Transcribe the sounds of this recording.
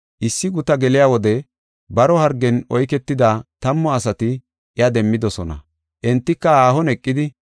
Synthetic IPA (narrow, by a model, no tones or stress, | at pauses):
ʔɪsːɪɡʊt̪ɐɡɛlɪjawɔd̪ɛ | bɐɾɔhɐɾɡɛnɔjkɛt̪ːɪd̪at̪ɐmːɔɐsɐt̪ɪ | ɪjɐd̪ɛmːɪd̪ɔsɔnɐ̰ | ʔɛnt̪ːɪkːɐaːhɔnɛkʼːɪd̪ɪ